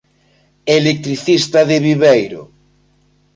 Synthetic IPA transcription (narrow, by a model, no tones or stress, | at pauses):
elek̚t̪ɾiθist̪ɐðɪβiβejɾʊ̰